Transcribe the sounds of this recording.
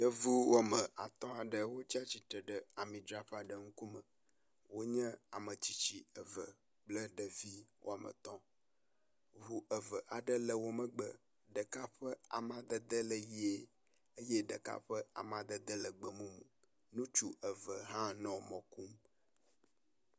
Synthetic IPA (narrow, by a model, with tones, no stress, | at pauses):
ɖ̥ə˦vu˦wʔo˦mə̃˨ʔa̰˨t̪ɔ̃˦a˨ɖə˨wo˦t͡ɕi˦a˦t͡ɕi˨t̪ɾə˨ɖə˨a˨mĩ˨d̪ɾa˨ɸa˨ɖə˨ŋ̩˦ku˦mə˨ | wo˦ɲɛ̃˦a̰˨mə˨t͡ɕi˦t͡ɕi˨ə˨və̰˨ | k͡plə˦ɖə˨vi˦wʔo̰˦a˨mə̰̃˨t̪ɔ̃˦ | ɦu˦ʔə˨və˨ʔa˨ɖə˦lə˨wo˦mə̃˦ɡ͡bə˨ | ɖə˨ka˦ɸə˦a̰˨mã˦d̪ə˦d̪ə˦lə˨ji˦e˦ | ə˦je˦ɖə˨ka̰˦ɸə˦a̰˨mã˨d̪ə˦d̪ə˦lə˨ɡ͡bə˨mũ˦mũ˨ | nũ˦t͡ʃu˦ʔə˨və˨ɦã˦nɔ̃˨mɔ̃˨ku˦m